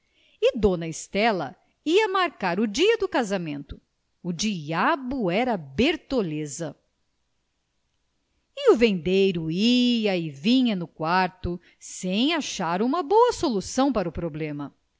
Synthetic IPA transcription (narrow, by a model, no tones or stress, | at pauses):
ɪd̪õnɐɪst̪ɛlɐ̰ | iɐmaɾkaɾʊd͡ʒiɐd̪ʊkazamẽnt̪ʊ̥ | ud͡ʒiabʊɛɾɐbeɾt̪olezɐ | ɪʊvẽnd̪ejɾʊiɐɪvĩɲɐnʊkwaɾt̪ʊ | sẽj̃aʃaɾũmɐboɐsolusɐ̃w̃paɾɐʊpɾoblẽmɐ